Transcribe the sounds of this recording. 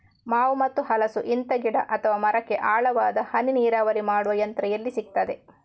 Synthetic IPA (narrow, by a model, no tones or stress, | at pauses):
maːʋumɐt̪ːuhɐlɐsuʔint̪ɐɡiɽɐ̰ʔɐt̪ʰɐʋaːmɐɾɐkːe̞ʔaːɭɐʋaːd̪ɐhɐniniːɾaːʋɐɾimaːɽuʋɐjɐnt̪ɾɐjɐlːisik̚t̪ɐd̪e̞